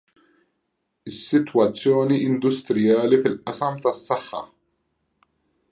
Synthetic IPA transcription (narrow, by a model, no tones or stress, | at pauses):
ɪsːɪt̪wɐt͡sːjɔːniɪnd̪ʊst̪ɾɪjɐːlifɪlʔɐsɐmt̪ɐsːɐħːɐ̰